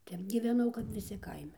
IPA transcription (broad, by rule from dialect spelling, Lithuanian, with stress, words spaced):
ˈtʲɛp ɡʲiːʋʲɛˈnɐʊ kɐp ʋʲɪˈsʲɪ ˈkɐɪmʲɛ